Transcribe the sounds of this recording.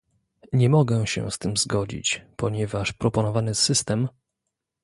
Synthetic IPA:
ɲɛmɔɡɛɕɛ̰st̪ɘmzɡɔd͡ʑḭt͡ɕpɔɲɛvaʂpɾɔpɔnɔvanɘsɘst̪ɛm

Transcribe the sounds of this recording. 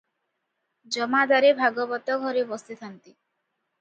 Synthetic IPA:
d͡ʒɔmad̪aɾebʱaɡɔbɔt̪ɔɡʱɔɾebɔst̪it̪ʰant̪i

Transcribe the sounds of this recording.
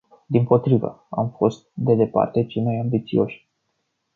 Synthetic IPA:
d̪impo̞t̪ɾivə̰amfo̞st̪̚d̪e̞d̪e̞pa̰rt̪e̞t͡ʃemajambit̪sio̞ʃʲ

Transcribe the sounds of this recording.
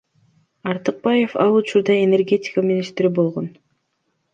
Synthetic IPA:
ɑɾt̪ɨq̚bɑje̞fɑlˠut͡ʃuɾd̪ɑene̞rɡʲe̞tʲɪ̥kamʲinist̪ɾibo̞lˠʁo̞n

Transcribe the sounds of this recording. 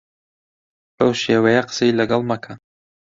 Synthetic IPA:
ɐwʃeːwɐjɐqə̥sɐjlɐɡɑlˠmɐkʰɐ

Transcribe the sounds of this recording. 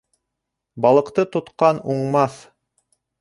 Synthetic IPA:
bɑlˠɤ̆qt̪ɤt̪ŏt̪qɑnuɴmɑθ

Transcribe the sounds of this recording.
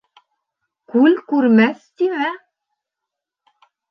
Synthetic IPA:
kʉlkʉɾmæst̪imæ

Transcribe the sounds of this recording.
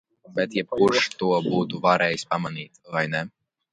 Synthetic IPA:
bɛt̪jɛb̚kuɾʃt̪uɔbuːt̪uvaɾɛːjispamaniːt̪vajnɛ

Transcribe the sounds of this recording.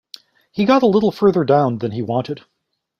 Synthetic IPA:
hiɡɑɾəlɪɾl̩ˠfɜ˞ðə˞dãʊ̃nðɨ̃niwɑ̃ntɨd̥

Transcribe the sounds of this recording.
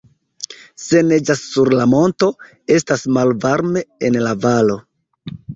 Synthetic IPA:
se̞ne̞d͡ʒasːuɾlamo̞nto̞ | e̞stasmalvaɾme̞enlavalo̞

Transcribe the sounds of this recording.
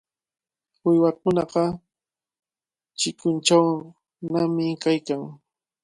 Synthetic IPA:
wʊjwɑkʊnɑqɑ | t͡ʃɪkʊnt͡ʃaw | namɪkajkaŋ

